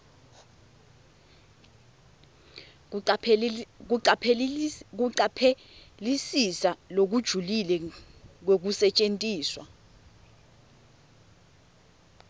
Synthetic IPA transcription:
upʰk̬uǀapʰeɛ | lisisalok̬ud̥ʒ̥ʱulilɛk̬wok̬usɛt͡ʃʼentʼiːswa̰

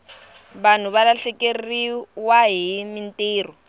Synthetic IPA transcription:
ban̤ʊβalaɬɛkʼerriwaɦimin̩tʼeːrɔ

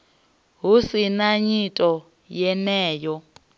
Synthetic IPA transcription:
ɦusinaɲitʼɔ | jɛnɛːjɔ

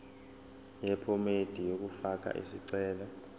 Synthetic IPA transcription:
jɛpʰɔmed̥ʱijok̬ufak̬ʼa̰ʔḭsiǀɛːla

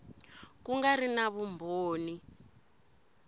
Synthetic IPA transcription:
kuŋɡarinaβumbʱoːni

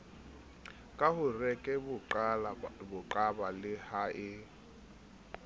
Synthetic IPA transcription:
kʼahʊrɛkʼɛbʊalabʊǃʼabalɪhaʔɪ

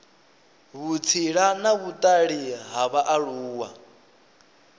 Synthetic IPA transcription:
βut͡sʰiɺanaβut̪ʼaɺiɦaβaʔaɺuːwa

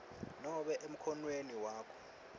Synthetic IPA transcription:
nɔɓɛʔem̩kʰɔnweniwaːkʰɔ̥

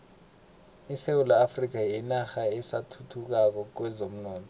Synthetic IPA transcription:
isewulaːfrik̬ajɛnaxaɛsatʰutʰuk̬ak̬ɔk̬wɛzom̩nɔːntʰʼɔ

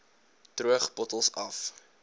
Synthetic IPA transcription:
truəχbɔtəlˠsɐf

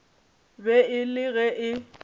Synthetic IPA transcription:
bɛɪlɪɣɛʔɪ

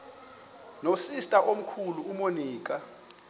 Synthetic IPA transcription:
nosistʼaʔom̩kʰuluːmoniːk̬ʼa

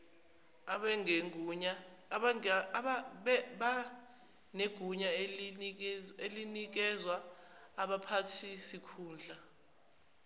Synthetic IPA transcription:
aɛŋeuɲa | ɓɓa | neɡ̥ʱuɲa | elinik̬ɛzwaːɓapʰatʰisikʰuːnd͡ɮʱa

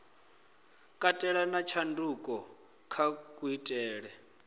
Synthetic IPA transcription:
kʼatʼɛɺanat͡ʃʰandukʼɔ | kʰakʼuitʼɛːɺɛ

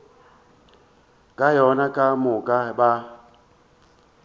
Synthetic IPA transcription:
kʼajɔnakʼamʊkʼaba

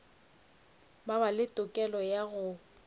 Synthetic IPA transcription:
babalɪtʼʊkʼɛlɔjaɣʊ

